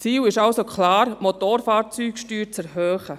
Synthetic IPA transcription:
t͡siːwɪʃɑlsokʰχlɑːɾmot̪oːɾfaːɾt͡syːkʃtyːɾt͡sɛɾɦøːχə

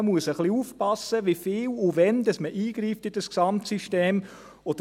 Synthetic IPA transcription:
əmuəsəχliufpɑsəʋifɪːluvɛnd̪ɑsməʔiːɡɾiːft̪ɪd̥əsksɑmtsiʃteːm | ɔd̥ə

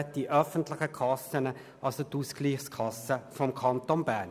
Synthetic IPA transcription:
t̚d̥iʔœfəntlɪχəkʰɑsənə | ʔɑlsot̪usɡ̥liːχskʰɑsəfɔmkʰɑnt̪onbæn

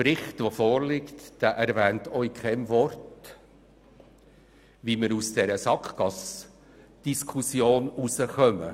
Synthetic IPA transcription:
ɾɪχtvofoːɾlɪktd̥æːʔɛɾvæːntœʏkʰɛmvɔrt | ʋiməɾusd̥ɛɾəsɑkχɡ̥ɑs | d̥iskʰusjoːnusəχœmə̰

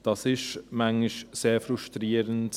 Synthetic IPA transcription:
d̥ɑsɪʃmaŋɪʃseːɾfɾuʃtɾiːəɾənt

